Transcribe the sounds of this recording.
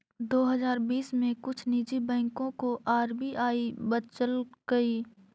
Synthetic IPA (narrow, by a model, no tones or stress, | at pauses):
d̪oːɦɐzaːɾbiːsmẽkʊt͡ʃʰniːd͡ʒibɛ̃ːŋkõkoʔaːɾbiʔaːibət͡ʃəlɡ̥əi